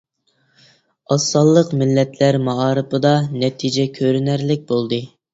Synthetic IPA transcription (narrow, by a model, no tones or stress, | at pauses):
ɑsːɑlˠːəqmɪlːɛt̪ʰlæɾmɑɑːɾɨpʰɨd̪ɑnɛt̪ʰid͡ʒɛkʲʰøɾynæɾlɪk̚ʲbolˠd̪ɨ